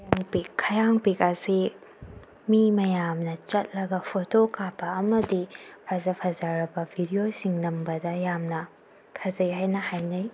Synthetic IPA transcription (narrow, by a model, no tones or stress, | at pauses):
aŋpikʰːɐjaŋpikɐsi | mimɐjamnɐt͡ʃɐt̚lɐɡɐpʰotokapʰːɐːmɐdipʰɐzɐpʰɐzaɾɐbɐbʱidiosiŋnɐmbɐdɐjamnɐ | pʰɐzɐjɦajnɐhajnɐj